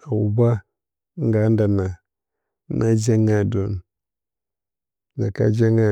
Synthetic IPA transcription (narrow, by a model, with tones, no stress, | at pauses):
a˨wu˨ba˦ | ŋ˦ɡa˨˦nda˨na˨˦ | na˦d͡ʒa˦ŋa˦do˨n | ɡa˨ka̰˦d͡ʒa˦ŋa˨